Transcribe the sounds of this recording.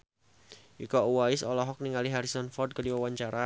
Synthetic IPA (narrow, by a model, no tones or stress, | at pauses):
ukɔuwaɪsɔlɔɦɔk̚niŋaliɦaɾisɔnfɔrd̚kədiwawaɲt͡ʃaɾa